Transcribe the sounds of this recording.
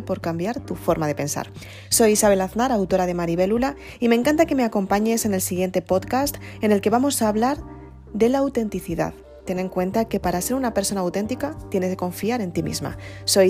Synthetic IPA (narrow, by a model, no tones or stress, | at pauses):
epo̞ɾkambjaɾt̪ufo̞ɾmaðe̞pe̞nsa̰ɾ | so̞jisaβe̞laθnaɾawt̪o̞ɾað̞e̞maɾiβ̞e̞lula | imẽ̞ŋkant̪ake̞me̞ako̞mpaɲe̞se̞ne̞lsiɣ̞je̞nt̪e̞po̞ðkast̪ene̞lke̞βamo̞saːβlaɾ | ðe̞laːwt̪e̞nt̪iθiða̰ð | t̪e̞ne̞ŋkwe̞nt̪ake̞paɾase̞ɾunape̞ɾso̞nawt̪e̞nt̪ikat̪je̞ne̞zeko̞ɱfiaɾe̞nt̪imḭzma̰so̞j